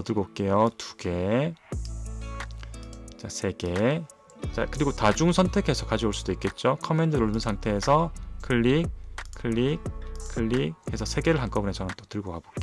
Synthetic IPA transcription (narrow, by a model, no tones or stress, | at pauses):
ʌdɯɭɡok͈e̞jotu̥ɡe̞ | t͡ɕasʰe̞ɡe̞ | t͡ɕ͈a̰kɯɾiɡotad͡ʑuŋsʰʌntʰe̞kʰe̞sʰʌkad͡ʑioɭs͈udoik͈e̞t̚t͡ɕ͈okʰʌme̞ndɯɾɯɭunɯnsʰaŋtʰe̞ːsʰʌkʰɯʎːik̚kʰɯɭːik̚kʰɯɭːik̚e̞sʰʌsʰe̞ɡe̞ɾɯɭɦank͈ʌbunet͡ɕʰʌnɯmt͈o̥tɯɭɡokabok͈e